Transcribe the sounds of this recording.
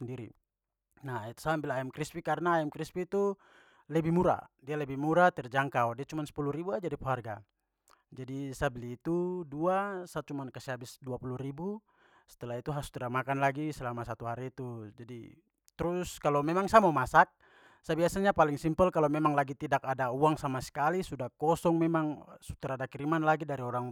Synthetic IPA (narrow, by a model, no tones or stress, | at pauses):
ɛndiɾḭ | nait̪u̥sambilaɛmkɾispikaɾnaːɛmkɾispiːt̪u | lɛbimuɾa̰dialɛbimuɾat̪ɛrd͡ʒaŋkawdiat͡ʃumansɛ̥puluhɾibuad͡ʒadipuɦarɡa | d͡ʒadisabliːt̪uduasat̪̚t͡ʃumankasiɦabisduapuluhɾibu | sɛ̥t̪ɛlait̪uɦasu̥t̪ɾamakanlaɡisɛlamasat̪uɦaɾit̪ud͡ʒadḭ | t̪ɾuskalɔmɛmaŋsamamasat̪̚ | sabiasaɲapaliŋsimpɛlkalɔmɛmaŋlaɡit̪idakadauaŋsamasɛ̥kalisudahkɔsɔŋmɛmaŋsut̪ɛɾadakiɾimanlaɡidaɾiɔɾaŋ